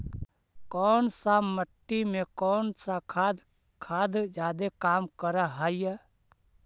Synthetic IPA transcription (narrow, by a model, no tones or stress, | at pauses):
kɔːnsaməʈːimẽkɔːnsakʰad̪ | kʰaːd̪d͡ʒaːd̪ekaːmkəɾəɦaːjə